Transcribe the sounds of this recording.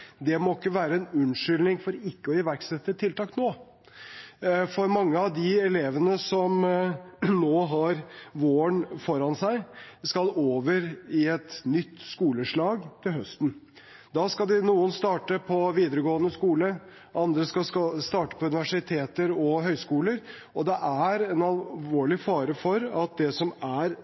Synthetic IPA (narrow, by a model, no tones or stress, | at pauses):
d̪ɛmɔɪkːəʋæːɾəɛnʉnʂʏlnɪŋfɔɾɪkːəɔɪʋæɾksɛt̪ːət̪ʰɪlt̪ɑːknoː | fɔɾmɑŋːəɑʋd̪ɪɛleːʋənəsɔm | noːɦɑɾʋoːəɳfɔɾɑnsæɪskɑloːʋəɾɪɛt̪nʏt̪ːskuːləʂɭɑːɡt̪ʰɪlɦœst̪n̩ | d̪ɑskɑld̪ɪnuːənst̪ɑːʈəpʰɔʋiːd̪əɾəɡoːənəskuːlə | ʔɑnd̪ɾəskɑɑst̪ɑːʈə̥pʰɔʉnɪʋæʂɪt̪ʰeːt̪əɾɔɦœʏskuːləɾ | ɔd̪ɛʔæɾɛnɑlʋoːɭɪfɑːɾəfɔɾɑt̪̚d̪ɛsɔmæɾ